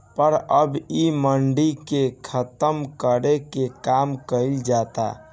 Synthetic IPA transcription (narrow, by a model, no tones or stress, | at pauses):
pəɾəbiməɳɖikekʰət̪əmkəɾekekamkəɪld͡ʒat̪a̰